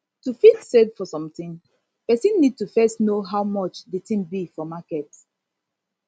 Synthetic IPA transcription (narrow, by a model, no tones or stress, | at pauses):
tufilsɛdfɔsɔ̃mtĩŋ | pɛsĩnːid̚tufɛstnoɦawmɔt͡ʃdetʰĩmbifɔmakɛt